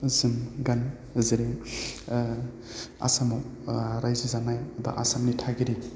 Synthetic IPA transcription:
zɯmɡan | ziɾe | a̰samawɾajzizanajba̰ʔasamnitʰaɡiɾi

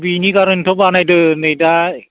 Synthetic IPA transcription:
binikaɾɯntʰobanajdɯnɯjda

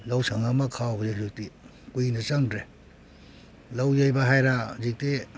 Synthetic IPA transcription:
lawsʰaŋamakʰawbazizik̚ti | kujnat͡ʃaŋdɾe | lawjajbaɦajɾazik̚ti

